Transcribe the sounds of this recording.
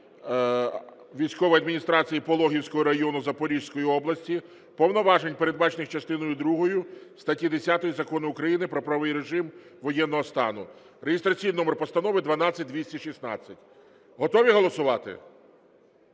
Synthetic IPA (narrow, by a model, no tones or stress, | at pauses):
ʋʲijsʲkɔʋɔjɐd̪minʲist̪ɾɑt͡sʲijipɔlˠɔɦʲiwsʲkɔɦɔɾɐjɔnʊzɐpɔɾʲiʃsʲkɔjiɔblˠɐsʲtʲi | pɔwnɔʋɑʒenʲpeɾe̞d̪̚bɑt͡ʃenɪxt͡ʃɐst̪ɪnɔjʊd̪ɾuɦɔjʊst̪ɐtʲid̪esʲat̪ɔjizɐkɔnɪʊkɾɐjinɪpɾɔpɾɐʋɪjɾeʒɪmʋɔjɛnːɔɦɔst̪ɑ̰nʊ | ɾejɪst̪ɾɐt͡sʲijninɔmerpɔst̪ɐnɔʋɪd̪ʋɐnɑt͡sʲːɐt̚ʲd̪ʋʲisʲtʲiʃisnɑ̰t͡sʲːɐtʲ | ɦɔt̪ɔʋʲiɦɔlˠɔsʊʋɑt̪ɪ̰